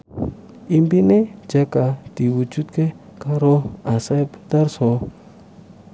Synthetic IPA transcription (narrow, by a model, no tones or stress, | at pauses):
imbined͡ʒakat̪iwud͡ʒut̪̚ke | kaɾoasapt̪arso